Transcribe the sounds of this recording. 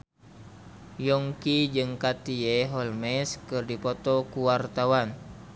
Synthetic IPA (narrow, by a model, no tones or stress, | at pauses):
jɔŋkid͡ʒɨŋkat̪ieɦɔlmɛskɨrdipɔt̪ɔkuwart̪awan